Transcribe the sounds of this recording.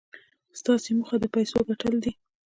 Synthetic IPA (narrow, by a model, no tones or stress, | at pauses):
st̪ɑseməxad̪əpajsoɡaʈəld̪i